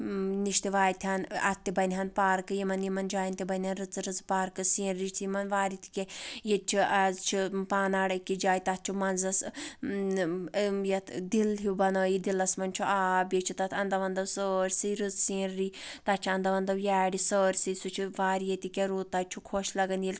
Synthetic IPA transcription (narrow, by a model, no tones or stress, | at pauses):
niʃt̪iʋaːjt̪ʲʰanɐ̰t̪ːibɐnʲɦɐnpaːɾkɨjimɐnjimɐnd͡ʒaːjint̪ʲibɐnʲɦɐnɾɨt͡sɨɾɨzpaːɾkɨsĩːɾɾit͡ʃʰijimɐnʋaːɾit̪ʰi̥kʲejet͡ʃʰiɐzt͡ʃʰipaːnaːɽikːid͡ʒaːjt̪ɐt̪̚t͡ʃʰumɐnzɐs | jɐt̪ʰd̪ilɦibɐnəːjid̪ilɐsmɐnt͡ʃʰuʔaːbjet͡ʃʰit̪ɐt̪ʰɐnd̪ɐʋɐnd̪ɐwsəːɾʲsɨjɾɨzsĩːɾːiːt̪ɐt͡ʃʰiɐnd̪ɐʋɐnd̪ɐwjaːɽisəːɾʲsɨsut͡ʃʰiʋaːɾjet̪ikʲeɾuːt̪ːat͡ʃʰukʰoʃlɐɡɐnjil